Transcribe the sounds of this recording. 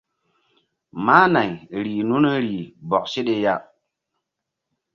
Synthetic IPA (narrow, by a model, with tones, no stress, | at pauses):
maː˦na˨jɾiː˨nu˦n˦ɾiː˨bɔ˨k̚se˦ɗe˦ja˦